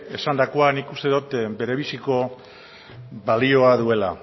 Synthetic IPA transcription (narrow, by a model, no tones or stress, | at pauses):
e̞sand̪ako̞anikust̪eðut̪be̞ɾe̞βisiko̞ | βalio̞aðue̞la